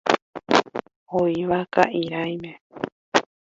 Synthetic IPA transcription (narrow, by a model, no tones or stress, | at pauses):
oiʋakaʔiɾajmẽ